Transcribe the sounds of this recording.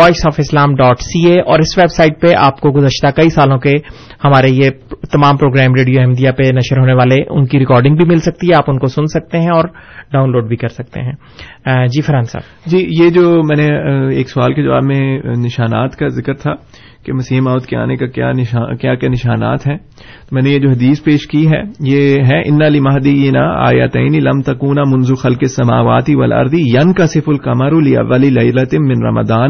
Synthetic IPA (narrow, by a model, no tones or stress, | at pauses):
ʋɔːʃsaːfɪslaːmɖɔːʈsiːeːʔɔːɾɪsʋeːbsaːɪʈ̚peʔa̰ːpkoɡʊzəʃt̪akɐisaːlõkehɐmaːɾejet̪ɐmaːmpɾoːɡɾɛːmɾeːɖijoɛɦmd̪ijapenɐʃəɾɦoːneʋaːleʊ̰nkiɾɪkɔːɾɖɪ̃ŋɡbʱimɪlsɐk̚t̪iɦɛaːpʊnkosʊnsɐk̚t̪eɦɛ̃ɔːɾɖaːʊnloːɖbʱikɐɾsɐk̚t̪ḛɦɛ̃ː | d͡ʒiːfɐɾãːnsa̰ːb | d͡ʒiːjed͡ʒoːmɛ̃ːneeːksʊaːlked͡ʒaʋa̰ːbmẽnɪʃaːnaːt̪kazɪkəɾt̪ʰa | kemɐsiːmaːʋʊt̪kea̰ːnekakja̰ːnɪaːkjaːkjaːnɪʃaːna̰ːt̪ɦɛ̃ː | t̪omɛ̃ːnejed͡ʒoːɦɐd̪iːspeːʃkiɦɛ̰ːjeɦɛʔɪ̰nːalimɐɦd̪ijɪnaa̰ːjɐt̪ɛːnilɐmt̪ɐkuːnamʊ̃nzuxɐlkesːɐmaːʋaːt̪iʋɐ̰lʔɐ̰ɾd̪ijɐnkɐsɪfʊlkɐmɐɾulɪɐ̰ʋːɐlilɐɪlɐt̪mɪ̃nɾɐ̰mɐ̰d̪aːn